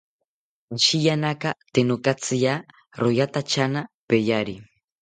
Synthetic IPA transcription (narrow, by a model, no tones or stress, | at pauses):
ʃijanakat̪enokat͡sɨja | ɾojat̪at͡ʃanapejaɾi